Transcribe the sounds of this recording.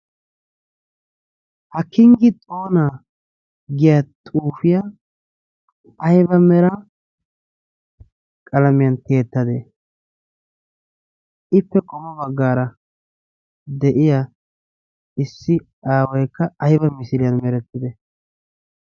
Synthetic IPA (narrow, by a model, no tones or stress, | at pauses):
hɐkːɪŋɡɪt̪ʼo̞ːna | ɡɪjɐt̪ʼuːfɪja | ɐjbɐmɛɾɐ | kʼɐlɐmɪjɐnt̪eːt̪ːɐd̪e | ʔɪpːɛkʼɔmɔbɐɡːaːɾɐ | d̪ɛʔɪja | ɪsːɪ | aːwɔjkːɐɐjbɐmɪsɪlɪjɐnmɛɾɛt̪ːɪd̪ɛ